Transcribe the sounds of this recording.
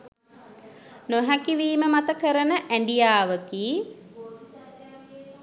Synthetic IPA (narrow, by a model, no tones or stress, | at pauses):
noɦækiʋiːməmat̪əkəɾənəʔæɳɖijaːʋəkiː